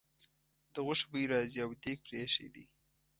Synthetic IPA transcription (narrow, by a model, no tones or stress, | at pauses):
d̪əɣʊʃbijɾɑziawd̪ek̚pɾeʃḛd̪ḭ